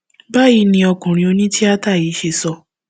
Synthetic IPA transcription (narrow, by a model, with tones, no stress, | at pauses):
ba˦ji˧˦nĩ˧ɔ˧kũ˨ɾ̃ĩ˨o˧nĩ˦tʰi˦a˦ta˦˨ji˨˦ʃe˧sɔ˧˨